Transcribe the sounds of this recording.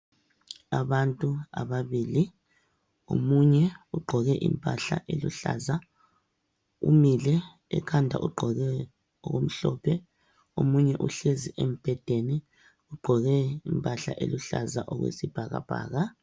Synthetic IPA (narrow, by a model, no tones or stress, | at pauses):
aβantʼuaβaβiːli | omuɲɛuɡ͡ǃʱɔɣɛʔimpʼaɬaʔelṵɬa̰ːza | ṵmilɛ̰ː | kʰandʱa̰ʔuɡ͡ǃʱɔɣɛ | ɔɣom̩ɬɔpʰɛ | omuɲɛʔuɬeziʔem̩b̥ʱɛd̥ʱeni | uɡ͡ǃʱɔɣɛimpʼaɬa̰ʔeluɬa̰zaʔɔɣwḛsib̥ʱaɣa̰b̥ʱa̰ːɣa